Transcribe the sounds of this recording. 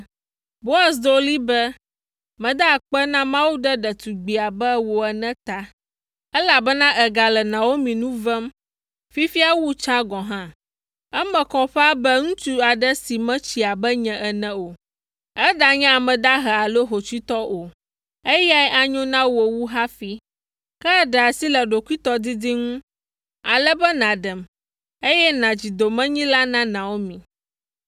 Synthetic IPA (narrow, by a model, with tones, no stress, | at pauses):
bo˦a˨sd̪o˦li˦bɛ˦ | mɛ̃˨d̪a˦˨k͡pɛ˦nã˦mã˦wu˦ɖɛ˦ɖɛ˨t̪u˨ɡ͡bi˨a˨bɛ˦wo˨ɛ˨nɛ̃˦t̪a˦ | ɛ˦la˨bɛ˦nã˦ʔɛ˨ɡa˨lɛ˨nã˨wo˦mĩ˨nũ˦vɛ˦m | fi˦fi˦a˦wu˦t͡ʃã˦ɡɔ̃˨ɦã˦ | ɛ˦mɛ̃˨kɔ̃˨ɸɛ˦a˦bɛ˦ŋũ˦t̪u˦a˨ɖɛ˦si˨mɛ̃˦t͡ɕi˨a˨bɛ˦ɲɛ̃˨ʔɛ˨nɛ̃˦o˨ | ɛ˦ɖa˨ɲɛ̃˦a˨mɛ̃˨d̪a˦ɦɛ˨a˨lo˦ɦo˨t͡ʃi˦t̪ɔ˦ʔo˨ | e˦ja˦ɛ˦ʔa˨ɲõ˦nã˦wo˨wu˦ɦa˦fi˦ | kɛ˦ɖɛ˨a˨si˦lɛ˨ɖo˨kʷi˦t̪ɔ˦d̪i˦d̪i˦ŋũ˦ | a˨lɛ˦bɛ˦nã˨ɖɛ˨m | e˦jɛ˦nã˨d͡ʑi˨d̪o˨mɛ̃˦ɲĩ˦la˦nã˦nã˨wo˦mĩ˨